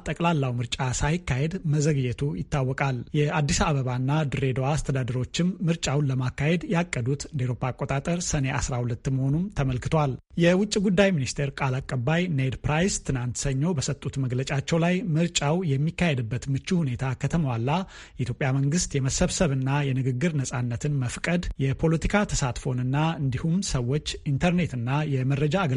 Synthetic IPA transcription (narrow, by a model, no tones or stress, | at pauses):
t̪ʼəkʼlalːawmɨɾt͡ʃʼasajɪkːahed̪məzəɡɨjɛt̪ʰujɪt̪ʰːawːɔkʼaljɛad̪ːisaβəβanːad̪ɨɾe̞d̪owaːst̪ʰəd̪ad̪əɾo̞t͡ʃːɪmːɨɾt͡ʃʼawnləmakːahe̞d̪jakʼːəd̪ut̪ɨnd̪iɾo̞pʰːakʼːot̪ʼat̪ʼəɾsəne̞ʔa̰sɾahulət̪ːməho̞numt̪ʰəməlkɨt̪ʰwal | jɛwʊt͡ʃʼːiɡud̪ːajminist̪ʰeɾkʼalakʼːəbːajned̪pɾajst̪ʰɨnant̪səɲːo̞bəsət̪ʼːut̪məɡlət͡ʃʼat͡ʃːɛwlajmɨɾt͡ʃʼawjɛmːikːahe̞d̪ɨbːət̪mɨt͡ʃːuhune̞t̪ʰakʰət̪ʰəməwalːa | ɛʔit̪jo̞pʼjaməŋɡɨst̪jɛməsəβsəβɨnːajɛnɨɡɨɡːɨɾnəsʼanːət̪ʰɨnməfkʼəd̪jɛpʰo̞lət̪ʰikʰat̪ʰəsat̪fo̞nɨnːaɨnd̪ihumsəwːo̞t͡ʃːint̪ʰəɾne̞t̪ɨnːajɛməɾːəd͡ʒaːɡə